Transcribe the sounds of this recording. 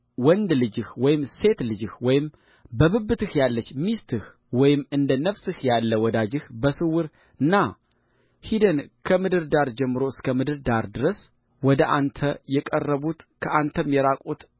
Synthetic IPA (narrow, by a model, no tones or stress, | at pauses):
wɔnd̪lɨd͡ʒɨhwɔjɪmse̞t̪lɨd͡ʒɨhwɔjɪm | bəβɨbːɨt̪ɨhjalːət͡ʃːmist̪ʰɨh | wɔjɪmːɨnd̪ənəfsɨhjalːəwɔd̪ad͡ʒɨhbəsɨwɨɾ | ɨnːa | hid̪ənkʰəmɨd̪ɨɾd̪aɾd͡ʒɛmːɨɾo̞ɨskʰəmɨd̪ɨɾd̪aɾd̪ɨɾəs | wɔd̪əʔa̰nt̪ʰəjɛkʼərːəβut̪kʰəʔant̪ʰəmjɛɾakʼut̪